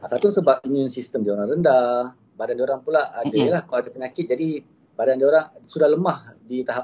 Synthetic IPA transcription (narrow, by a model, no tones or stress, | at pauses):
asat̪usəbap̚iɲũnsist̪əmdioɾaŋrənda | badandioɾaŋpulaadaəlahkawadapəɲakɪt̪̚d͡ʒadi | b̥adandioɾaŋsudahləmahdit̪aɦap̚